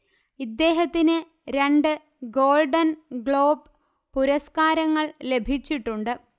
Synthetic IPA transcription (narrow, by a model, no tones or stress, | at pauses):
id̪ːe̞ːɦɐt̪ːinɨ | ɾe̞ɳɖɨ | ɡo̞ːlɖɐnɡɭo̞ːb | puɾɐskaːɾɐŋːɐɭle̞bʱit͡ɕːiʈːuɳɖɨ